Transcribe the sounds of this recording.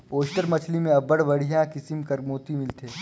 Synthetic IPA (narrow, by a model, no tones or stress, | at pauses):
oːʃʈəɾmɐt͡ʃʰlimẽɐbəɽʋɐɽijãkɪsɪmkɐɾmoːt̪imɪlt̪eː